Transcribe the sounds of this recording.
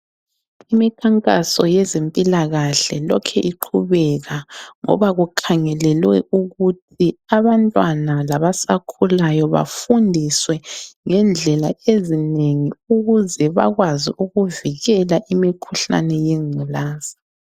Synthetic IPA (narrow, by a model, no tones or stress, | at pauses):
imikʰaŋkʼa̰sɔjɛzempʼilaɣaɬɛlɔkʰɛʔiǃʰuβɛɣaŋɔ̰βaɣukʰaŋɛlɛlwɛ̰ʔuɣutʰiaβantʼwanalaβasakʰulajɔβa̰fundʱiswɛŋɛnd͡ɮʱɛlaezineŋiuɣuzɛβa̰ɣwaziʔuɣuviɣɛlaʔimikʰuɬa̰nɛjeŋ͡ǀʱilaːz̥i̥